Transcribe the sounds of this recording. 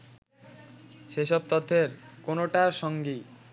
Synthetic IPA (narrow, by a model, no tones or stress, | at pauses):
ʃeʃɔb̚t̪ɔt̪ʰːeɾkonoʈaɾʃɔŋɡi